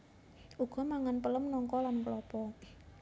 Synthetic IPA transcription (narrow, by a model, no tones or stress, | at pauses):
ʔuɡ̥ɔ̤maŋanpələmnɔŋkɔlanplɔpɔ